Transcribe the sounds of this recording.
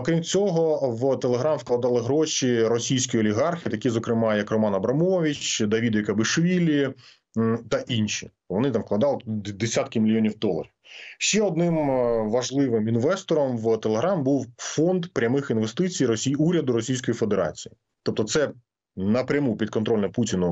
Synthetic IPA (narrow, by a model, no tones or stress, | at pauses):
ɔkɾʲimt͡sʲɔɦɔʋt̪elˠeɦɾɑmfklˠɐd̪ɑlˠɪɦɾoʃiɾɔsʲijsʲkɔjɔlʲiɦɑrxʲit̪ɐkʲizɔkɾɪmɑjɐkrɔmɑnɐbɾɐmɔʋʲit͡ʃd̪ɐʋʲid̪jikɐbɪʃʋʲilʲi | t̪ɐʔinʃi | ʋɔnɪt̪ɑmʋklˠɐd̪ɑlˠɪd̪esʲat̪kɪmʲɪlʲijonʲiwd̪ɔlˠɐ̰ɾʲiwʃɛɔd̪nɪmʋɐʒlˠɪʋɪminʋɛst̪ɔɾɔmʋt̪elˠeɦɾɑmbuwfɔnd̪pɾʲɐmɪxinʋest̪ɪt͡sʲijɾɔsʲiuɾʲɐd̪ʊɾɔsʲijsʲkɔjife̞d̪eɾɑ̰t͡sʲiji | t̪ɔp̚t̪ɔt̪sɛ | nɐpɾʲɐmupʲid̪̚kɔnt̪ɾɔlʲnɐputʲɪnʊ